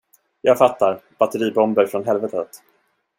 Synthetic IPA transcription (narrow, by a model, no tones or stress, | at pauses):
jɑːɡfat̪ːaɾb̥at̪ːəɾiːbɔmbəɾfɾɔnɦɛlvɛt̪ət̪